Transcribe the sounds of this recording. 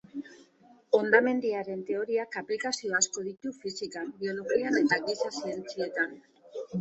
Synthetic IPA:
o̞nd̪ame̞nd̪iaɾe̞nt̪e̞o̞ɾiakaplikasio̞asko̞ðit̪ufisikambio̞lo̞ɣiane̞t̪aɣisasie̞nt͡sie̞t̪an

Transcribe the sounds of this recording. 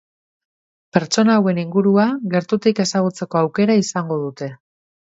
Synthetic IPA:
pe̞ɾt͡ʃo̞nawe̞niŋɡuɾuaɣe̞ɾt̪ut̪ike̞saɣ̞ut͡se̞ko̞awke̞ɾaisaŋɡo̞ð̞ut̪e̞

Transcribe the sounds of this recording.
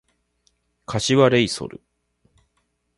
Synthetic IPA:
kʰaɕiβaɾe̞iso̰ɾɯ̟̰

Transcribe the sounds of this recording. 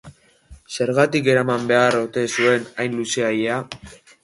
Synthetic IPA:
se̞ɾɣat̪ike̞ɾamambe̞aro̞t̪e̞sue̞najnluse̞ajea

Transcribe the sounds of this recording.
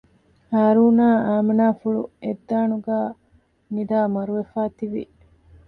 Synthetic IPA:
haːɾuːnaːaːmenaːfuɭued̪ːaːnuɡaː | mid̪aːmɐɾuʋefaːt̪iʋḭ

